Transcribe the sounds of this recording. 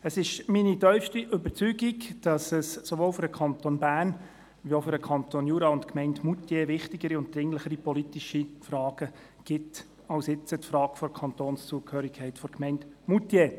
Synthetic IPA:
əsɪʃminitœʏfʃtiʔʏbəɾt͡syːɡikd̥ɑsɛssoʋoːlfʏɾdəkʰχɑnt̪onbæːrn | vioʊfʏɾəkʰɑntonjuːɾɑʊntkmɛɪntmutjeːvɪχtɪɡəɾiʊnt̚d̥̪ɾɪŋləχəɾipɔlitiʃifrɑːɡ̥ə | ɡ̥ɪt | ɑlsɪt͡sətfrɑːkfɔɾkʰɑntoːnst͡suəkʰhøːɾɪkʰɛɪtfɔɾkmɛɪntmutjeː

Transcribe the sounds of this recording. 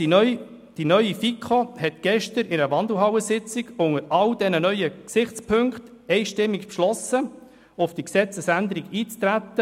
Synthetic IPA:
d̥inœʏifikχohɛtɡ̥ɛʃtəɾɪnəəvɑnd̪əl̩ɦɑwəsɪt͡sɪɡ̥ʊŋəɾɑld̥ɛnənœʏəksɪχt͡spʰɵŋkt | ɛɪʃtɪmːikpʃlɔsə | ʊfd̥iksɛt͡səsænd̪əɾiɡiːt͡st̪ɾæt̪ːə

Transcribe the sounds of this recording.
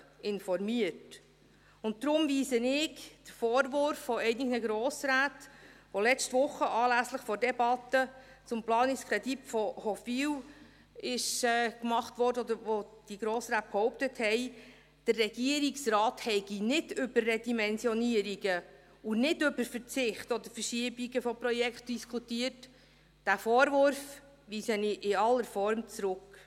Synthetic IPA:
ɪnfɔɾmiət | ʊnt̚d̪ɾʊmviːzənɪkd̥əɾfɔːɾʋʊɾfːɔɛɪnɪɡnəɡɾɔːsɾaːtʋolɛt͡stʋʊχːəʔɑːlæsləχfɔɾdɛbɑt̪ːə | t͡sʊmplɑːnɪskʰɾɛdipfɔhɔfiw | ɪʃɛːkmɑχtʋɔɾdəɔd̪əɾʋod̥iɡ̥ɾoːsɾæːt̚phɔwp̚təthɛɪ | d̥ərːɛɡ̥iəɾiksrɑːthɛɪɡ̥inɪdʏbərːɛdimɛnsjɔniəɾiɡə | ʊnɪdɵbəɾfəɾt͡sɪχtɔd̪əɾfəɾʃiəbiɡəfɔpɾɔjɛkχt̚d̥iskχutiət | d̥æfɔːɾʋʊɾf | ʋiːsəniʔɪɑlːəɾfɔɾmt͡sɾʊk

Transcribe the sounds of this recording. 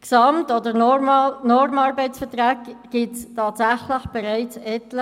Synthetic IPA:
ksɑmtodə | nɔɾmɑɾbɛɪtsfətʁæːkɡ̥iːtstʰɑːtsæχləχb̥ɛʁɛɪt͡sɛtlə

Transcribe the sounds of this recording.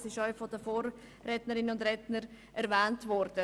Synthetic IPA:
sɪʃœʏfɔdəfoːɾː | ɛtnəɾɪnəʊndɾɛtnəɾ | ʔɛɾvɛːntvɔɾd̥ə

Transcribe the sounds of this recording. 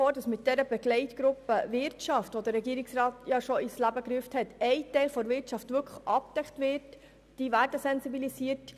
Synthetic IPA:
oːd̥ɑsmɪt̚d̥ɛɾəbɛɡlɛɪtɡɾʊpːəvɪɾtʃɑftʋod̪əɾːɛɡiəɾɪksɾɑːt̪jɑʃoɪslæbəkɾyəfthɛtɛɪtɛɪlfɔɾʋɪɾtʃɑftʋʏkʰə̥χʔɑp̚t̪ɛkt̪ʋɪɾt | d̥iːʋæːɾdəsɛnsibilisiəɾt

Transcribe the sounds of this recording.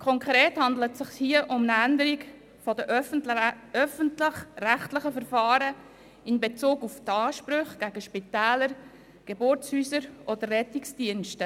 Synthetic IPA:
kʰɔŋkʁeːthɑndlətsɪχhiəʔʊmnəændəɾiɡ | fɔdəʔ | œfəntlɪχræχtlɪχəfəɾfɑːɾə | ɪnbet͡suːɡuft̪ɑːʃpɾʏχɡ̥æɡ̥əʃpitɛːləɾ | ɡ̥ebʊɾt͡shyːsəɾʔɔd̪ərːɛtɪksd̥iənʃtə

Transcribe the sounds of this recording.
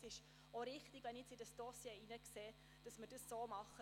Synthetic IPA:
sɪʃ | oɾɪχtiɡʋɛnɛt͡sɪdɑsd̥osjeːinəkseː | d̥ɑsmədəsːoːmɑχə

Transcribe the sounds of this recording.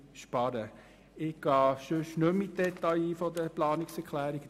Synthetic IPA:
ʃpɑɾə | ɪɡ̥ɑːʃʉʃnømːɪt̚d̥ɛt̪ajifɔdəplɑːnɪksɛkʰlæːɾɪɡ

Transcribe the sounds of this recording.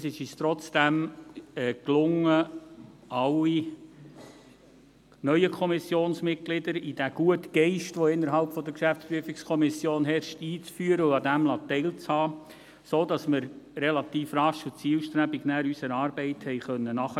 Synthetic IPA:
sɪʃɪʃt̪ɾɔt͡sd̥æmɛklʊŋːə | ɑli | nœʏəkʰɔmɪsjoːnsmɪt̚ɡlɪdəɾid̥æɡ̥uətɡ̥ɛɪʃtʋɔɪnːəɾɦɑlpfɔd̪əɾkʃæft͡spɾyəfɪkskʰɔmɪsjoːnɦɛɾʃtiːt͡sfyːəɾəuɑdæmlɑt̪ɛɪlt͡shɑː | soːdɑsməɾɾɛlɑt̪iːfrɑʃut͡siːlʃtɾæbɪɡnæːɾysəɾɑːɾbɛɪthɛɪχœnːənɑχə

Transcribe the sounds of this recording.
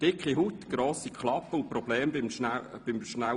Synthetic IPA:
d̥ɪkχiɦut̪ɡ̥ɾoːsikʰχlɑpːəʊnpɾɔb̥lɛːmbɪmnab̥ɪmʃna

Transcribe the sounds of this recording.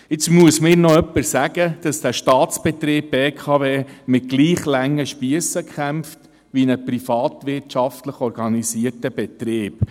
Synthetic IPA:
ɪt͡smuəsmɪːɾnɔœpːəɾsæɡəd̥ɑsd̥æʃtɑːtt͡sb̥ɛt̪ɾeːb̚beːkʰɑveːmɪt̚ɡ̥liːχlæŋːəʃpiəsəkχæmft | ʋinəpɾifɑːtʋɪrtʃɑftləχɔɾɡ̥ɑnisiərtəb̥ɛt̪ɾeːb

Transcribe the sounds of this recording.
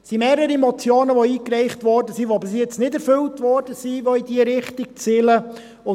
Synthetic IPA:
simeːɾəɾimɔt͡sjoːnəʋoiːkɾɛɪχtʋɔɾdəsiʋobɪsjɛt͡snɪdɛɾfɵltʋɔːɾd̥əsiʋoidiəɾɪχtik̚t͡sɪlə | ʊ

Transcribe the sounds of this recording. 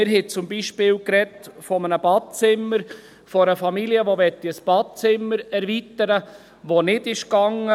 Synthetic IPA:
ɪɾɦɛt͡sʊmbiʃpɪːlkɾɛtfɔmənəbɑːd̚t͡sɪmːəɾ | fɔɾəfɑmiliəʋoʋɛtːiəsb̥ɑːd̚t͡sɪmːəɾɛɾvitəɾə | ʋonɪdɪʃkɑŋə

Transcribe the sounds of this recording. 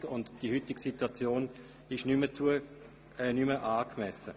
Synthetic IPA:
ʊndd̥ihytɪɡsituat͡sjoːn | ɪʃnymət͡suə | ɛnyməʔaːkmɛsə

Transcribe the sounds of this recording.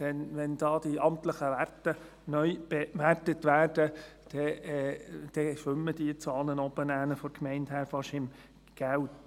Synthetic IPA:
d̥ɛnʋɛnd̥ɑːd̥iɑmt̪ləχəʋærtə | nœʏb̥eʋærtətʋæːrd̥əd̥ɛ | d̥ɛʃʋʏmːəd̥iət͡sɑːlənɔb̥ənæːnəfɔɾkmɛɪnthæːɾfɑʃɪm | ɡ̥æwt

